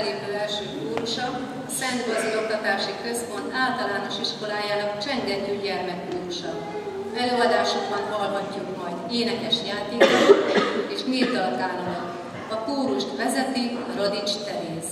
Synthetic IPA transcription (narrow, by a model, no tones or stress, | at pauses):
leːpølɛlʃøːkuːɾuʃɒ | sɛnd̪bɒzilo̞kt̪ɒt̪aːʃikø̞spo̞nt̪aːlt̪ɒlaːno̞ʃiʃko̞laːjaːnɒkt͡ʃɛŋɡɛnt̪yːɟɛlmɛkːuːɾuʃɒ | ɛløːɒd̪aːʃoɡbɒnɦɒlɦɒcːukmɒjd̪eːnɛkɛʃjaːt̪eːkoteːʃmirt̪ɒt̪aːlomk | ɒkuːɾuʃt̪ʋɛzɛt̪i | ro̞d̪it͡ʃt̪ɛɾeːz